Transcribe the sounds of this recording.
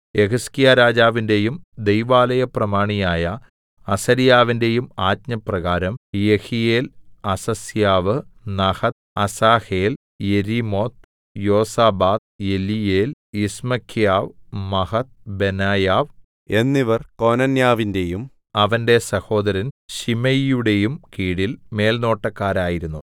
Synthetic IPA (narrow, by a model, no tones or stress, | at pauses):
e̞kɐskijaːɾaːd͡ʑaːʋinde̞jumd̪e̞jʋaːlɐjɐprɐmaːɳijaːjɐ | ɐsɐɾijaːʋinde̞jumaːt̪̚ɲɐprɐɣaːɾɐmjehijeːlɐsɐsjaːʋɨnɐhɐt̪̚ɐsaːheːl | je̞ɾimo̞ːt̪̚ | jo̞ːsaːbaːt̪̚je̞lijeːl | ismɐkʰːjaːʋmɐhɐt̪̚benaːjaːʋ | e̞nːiʋɐrko̞nɐnjaːʋinde̞jum | ɐʋɐnde̞sɐho̞ːd̪ɐɾɐnɕimɐjjuɽe̞jumkiːɽilme̞ːlno̞ːʈːɐkːaːɾaːjiɾunːu